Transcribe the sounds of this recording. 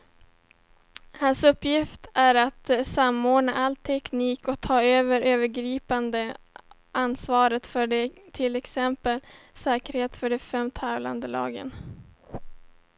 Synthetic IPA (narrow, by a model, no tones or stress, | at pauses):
hansɵpːjɪft̪æɾat̪samoːɖɳaʔalt̪ʰɛkniːkɔt̪ʰɑːøːvəɾøːvəɾɡɾiːpand̪ə | ʔansvɑːɾət̪fœɖt̪ʰɪlɛksɛmpəlsɛːkəɾheːt̪fœɖɛfɛmt̪ʰɛːvla̰nd̪əlɑ̰ːɡə̰n